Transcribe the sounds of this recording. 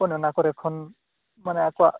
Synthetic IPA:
pɔnɔnakɔɾɛkʰːɔn | manɛakɔaʔ

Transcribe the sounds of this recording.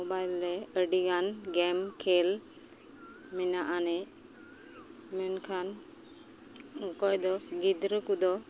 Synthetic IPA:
obajlɾɛəɖiɡanɡɛmkʰɛl | minaʔanɛ | mɛnkʰan | ukɔjd̪ɔɡid̪ɾəkud̪ɔ

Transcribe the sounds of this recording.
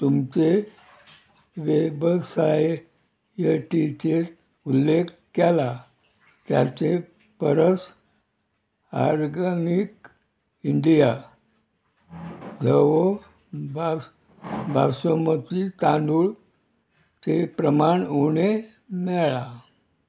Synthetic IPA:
t̪umt͡se | ʋebəsae | jəʈit͡ɕeɾ | ulːekkɛla | t̪ja̰t͡se | pəɾəs | a̰ɾɡənik | iɳɖija | ɡʱəʋo | ba | bʱa̰somət̪it̪ãnd̪uɭ | t͡sepɾəmaɳuɳe | mɛɭa

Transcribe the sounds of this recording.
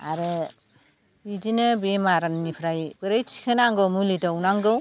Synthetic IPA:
a̰ɾɯ | bid͡ʒinɯbemaɾannipʰɾajbɯɾɯjtʰi̥kʰɯnaŋɡɯwmulidawnaŋɡɯw

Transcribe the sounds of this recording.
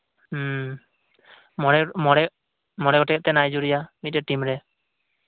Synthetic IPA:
mɔɽɛmɔɽɛ | mɔɽɛɡɔʈɛk̚t̪ɛnajd͡ʒuɾijamit̪̚ɾɛʈimɾɛ

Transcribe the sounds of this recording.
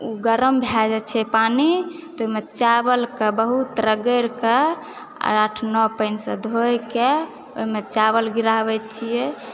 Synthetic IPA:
uɡəɾəmbʱad͡ʒɛt͡ʃʰɛpani | t̪ɔoɦimet͡ʃabəlkebəɦut̪ɾəɡəɾkḛ | ɾaʈʰnɔpəɪnsə̰d̪ʱojke | o̰ɦimet͡ʃaβəlɡiɾaβɛt̪t͡ʃʰijɛ

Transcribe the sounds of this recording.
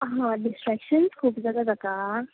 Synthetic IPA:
ɦãɖisʈɾɛkʃənskʰuːpd͡zad̪ad̪aka

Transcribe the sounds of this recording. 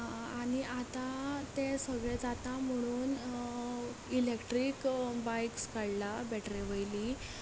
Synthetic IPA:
aɽ̃iʔat̪at̪esəɡɭẽd͡zat̪am̤əɽ̃uːn | ilekʈɾikbajkskaɽlabɛʈɾiʋəjliː

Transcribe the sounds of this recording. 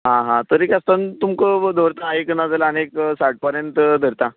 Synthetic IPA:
ɦãɦãt̪əɾekʲast̪ant̪umkəd̪ʱəɾt̪aekənad͡zalaːneksaʈ̚pəɾjənt̪d̪ʱəɾt̪a

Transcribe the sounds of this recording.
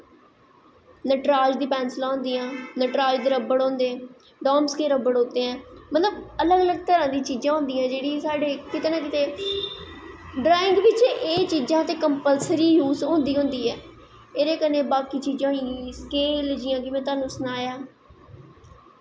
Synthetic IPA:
nəʈɾaːd͡ʒd̪iːpɛːnslaːɦʊ̃nd̪iːãːnəʈɾaːd͡ʒd̪eːɾəbəɽõːnd̪ẽː | ɖɔːmskeːɾəbəɽɦoːt̪eːɛ̃ːmət̪ləbələɡələɡ̚t̪əɾãːd̪ĩːt͡ʃiːd͡ʒãːɦʊ̃nd̪iːãːd͡ʒeːɽiːsaːɖeːkɪt̪eːnãːk̬ɪt̪eː | ɖɾaːɪ̃ŋɡʋɪt͡ʃeːt͡ʃiːd͡ʒãːt̪eːkəmpəlsɾiːjuːzɦõːnd̪iːɦʊ̃nd̪iːɦɛː | eːɾeːkəneːbaːkiːt͡ʃiːd͡ʒãːɦĩskeːld͡ʒɪjãːkɪmɛ̃ːt̪aːnũːsənaːjaː

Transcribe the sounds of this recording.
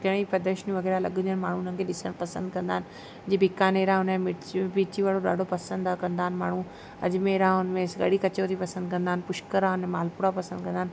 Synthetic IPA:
kɐɽ̃ipɐd̪əɾʃnĩʋɐɣɛːɾalɐɠʊ̃ənmaːɳ̤ũnənɪkʰeɗɪsəɽ̃pɐsə̃nd̪̚kɐ̃nd̪aːɦɪnɪ̆ | d͡ʑiːbʱɪkaːneːɾãɦʊnẽmɪbiːt͡ɕiʋaːɽoɗa̰ːɖʱopɐsə̃nd̪akɐ̃nd̪aːɪnɪmaːɳ̤ũ | ɐ̰ʄmẽɾãʊnmẽsɡɐ̰ɽikɐt͡ɕoːɾipɐsə̃nd̪̚kɐ̃nd̪aːɪnɪ̆pʊʃkəɾaʊnẽmaːlpʊɽapɐsə̃nd̪kɐ̃nd̪aːnɪ

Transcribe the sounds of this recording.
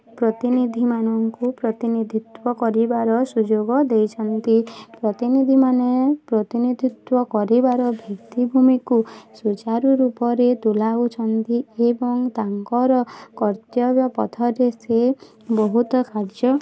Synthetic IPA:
pɾɔt̪inid̪ʱimanɔŋkupɾɔt̪inid̪ʱit̪wɔkɔɾibaɾɔsud͡ʒoɡɔd̪ejt͡ʃʰɔnt̪ipɾɔt̪inid̪ʱimanepɾɔt̪inid̪ʱit̪wɔkɔɾibaɾɔbʱikt̪ibʱumikusut͡ʃaɾuɾupɔɾet̪ulaut͡ʃʰɔnt̪iebɔŋt̪aŋkɔɾɔkɔɾt̪jɔbjapɔ̰t̪ʰɔɾese | bɔɦut̪ɔkaɾd͡ʒɔ

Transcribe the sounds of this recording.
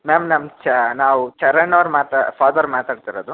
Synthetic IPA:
meːmnɐmt͡ʃnaːʋut͡ʃɐɾɐɳːɐʋɾmaːt̪apʰaːd̪ɐɾmaːt̪aːɖt̪iɾod̪u

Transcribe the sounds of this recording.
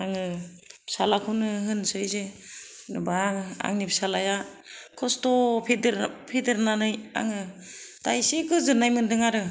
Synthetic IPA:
aŋɯ | psalakʰunɯɦɯnsɯjze | nɯbaŋɯa̰ŋnipʰsalaja | kʰɔstɔpʰedɾpʰedɯɾnanɯja̰ŋɯtajsekɯzɯnajmɯndɯŋaɾɯ

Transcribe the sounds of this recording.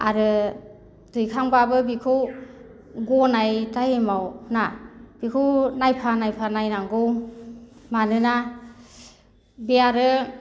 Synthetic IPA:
a̰ɾɯ | dɯjkʰaŋbabɯbikʰɯw | ɡɔnajtajmawnab̥ikʰɯwnajpʰanajpʰanajnaŋɡɯw | manɯna | biaɾɯ

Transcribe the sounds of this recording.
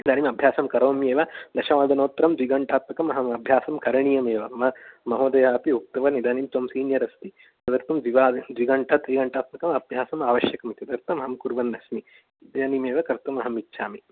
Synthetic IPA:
nid̪aːnimɐbʱjaːsɐmkɐɾɐʋɐmjeːʋɐd̪ɐʃɐʋaːd̪ɐnoːt̪ɾɐmd̪ʋiɡɐɳʈʰaːt̪̚mɐkɐmɐɦɐmɐbʱjaːsɐmkɐɾɐɳijɐmeːʋɐmɐmɐɦoːd̪ɐjaːpiuk̚t̪ɐʋɐnid̪aːnimt̪oːmsiːnjɐɾɐst̪i | t̪ɐd̪ɐɾt̪ɐmd̪iʋaːd̪ʋiɡɐɳʈʰɐt̪ɾiɡɐɳʈaːt̪̚mɐkɐmɐbʱjaːsɐmaːʋɐʃjɐkɐmt̪ɐd̪ɐɾt̪ɐmɐɦɐmkuɾʋɐnːɐsmi | d̪ɐjaːnimeːʋɐkɐɾt̪ɐmɐɦɐmitːʃʰaːmi

